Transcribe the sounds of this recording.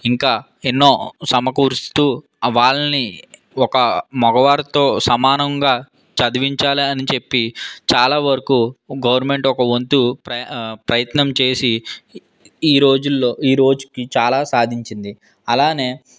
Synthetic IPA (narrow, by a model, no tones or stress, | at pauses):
iŋkaː | enːo̞ːsɐmɐkuːɾst̪uː | ʋaːɭɐni | ɔkɐmɔɡɐʋaːɾɐt̪o̞ːsɐmaːnɐŋɡaː | t͡ʃɐd̪iʋiɲt͡ʃaːliɐnit͡ʃe̞pːit͡ʃaːlaːʋɐɾɐkuɡɐʋɐɾnme̞ɳʈɔkɐʋont̪upɾɐpɾɐjɐt̪nɐmt͡ʃe̞ːsi | iːɾo̞ːd͡ʒulːoːiːɾo̞ːd͡ʒukit͡ʃaːlaːsaːd̪ʱiɲt͡ʃind̪i | ɐlaːne̞ː